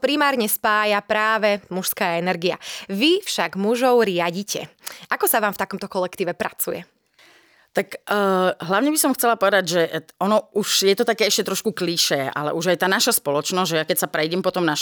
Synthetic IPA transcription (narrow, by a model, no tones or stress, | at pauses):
pɾimaːɾɲɛspaːjapɾaːʋɛmuʃskaːɛnɛɾɡia̰ʋifʃaɡmuʒɔʊɾɪaɟicɛ̰ʔakɔsaʋaːmft̪akɔmt̪ɔkɔlɛkt̪iːʋɛpɾa̰t͡sujɛ | t̪akː | ɦlaʊɲɛbisɔmxt͡sɛlapɔʋɛd̪aɟʒɛɔnɔuʒjɛt̪ɔt̪akɛːɛʃcɛt̪ɾɔʃkukliʃɛːʔa̰lɛ̰ʔuʒajt̪aːnaʃaspɔlɔt͡ʃnɔzɟʒɛjakɛcsapɾɛjɟɛmpɔt̪ɔmnaʃ